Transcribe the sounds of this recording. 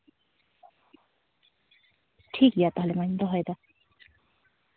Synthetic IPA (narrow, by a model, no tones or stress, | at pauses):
ʈʰikjat̪ʌɦʌlemanind̪ʌɦʌjd̪ʌ